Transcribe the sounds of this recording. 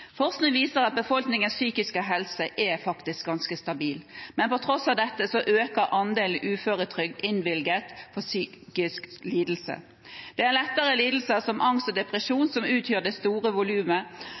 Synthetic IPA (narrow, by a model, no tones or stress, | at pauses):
fɔʁsnɪŋʋiːsəʁɑt̪̚bəfɔlknɪŋənsyːkɪskəɦɛlsəʔɛfɑkt̪ɪsk̚ɡɑnskəst̪ɑbiːlmɛnpɔt̪ʰɾɔsːɑʋd̪ɛt̪ːəsɔʔøːkəɾʔɑnd̪eːln̩ʔʉːføːʁət̪ʰɾʏk̚d̪ɪnʋɪlɡət̪fɔsyːkɪskliːd̪l̩sə̰ | d̪̥ɛænlɛt̪ːəʁəliːd̪l̩səsɔmʔɑŋst̪ɔd̪ɛpʁəʃuːnsɔmʉːt̪ʰjøːd̪ɛst̪uːʁəʋʊlʉːmə